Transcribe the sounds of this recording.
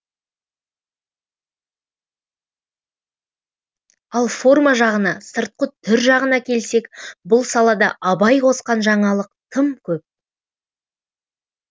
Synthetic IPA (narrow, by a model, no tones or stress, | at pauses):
ɑlˠfo̞rmɑʒɑʁənɑsəɾt̪̚qət̪ʰʏɾʒɑʁənɑkʲʰe̞lse̞kbʊlˠsɑlˠɑd̪ɑ̰ʔɑbɑjqʰo̞sqɑnʒɑɴɑlˠəq̚t̪ʲʰɪmkʲʰɵp̚